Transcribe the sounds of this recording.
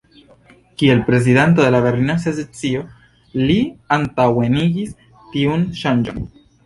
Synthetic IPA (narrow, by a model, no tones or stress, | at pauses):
kie̞lpɾe̞z̬ident̬o̞de̞lave̞ɾlinas̬ezet͡sio̞ | liantawe̞niɡis | tiunʃand͡ʒo̰n